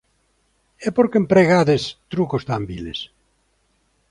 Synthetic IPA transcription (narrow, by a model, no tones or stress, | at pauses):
epoɾkempɾeɣaðest̪ɾukost̪ambilḛs